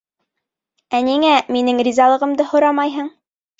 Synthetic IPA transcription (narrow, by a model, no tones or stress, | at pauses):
æniŋæminɘŋɾʲizɑlˠɤ̆ʁɤ̆md̪ɤhŏɾɑmɑjɦɤɴ